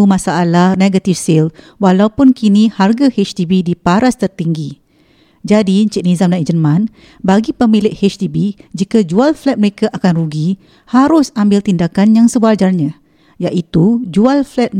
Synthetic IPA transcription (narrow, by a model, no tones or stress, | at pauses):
umãsaːlahneɡat̪ifsɪl | walaupʊnkiniharɡahet͡ʃt̪ibidipaɾast̪ərt̪iŋɡi | d͡ʒadiɲt͡ʃəʔ̚nizamnaid͡ʒəmãn | baɡipəmilɪʔhet͡ʃt̪ibid͡ʒikad͡ʒualflɛt̪̚məɾekaʔakanruɡi | haɾʊsambɪlt̪indakanjaŋsəbad͡ʒarɲã | jaʔit̪ud͡ʒualflɛt̪̚